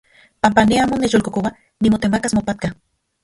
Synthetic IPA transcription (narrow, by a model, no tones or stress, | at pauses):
pampaneaːmonːet͡ʃjolkokowa | nimot̪emakasmopat̪̚ka